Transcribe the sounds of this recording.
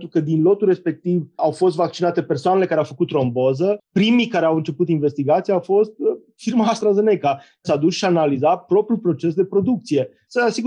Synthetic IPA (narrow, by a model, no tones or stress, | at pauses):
t̪ɾukəd̪inlo̞t̪ulre̞spe̞k̚t̪ivawfo̞st̪vak̚t͡ʃinat̪e̞pe̞rsoanele̞kaɾeawfəkut̪ɾo̞mbozəpɾimikaɾeawɨnt͡ʃe̞put̪inve̞st̪iɡat̪sieawfo̞st̪̚ | firmaːst̪ɾaze̞ne̞ka | sad̪usʃianalizat̪̚pɾo̞pɾjulpɾo̞t͡ʃe̞sd̪e̞pɾo̞d̪uk̚t̪sije̞ | səasiɡu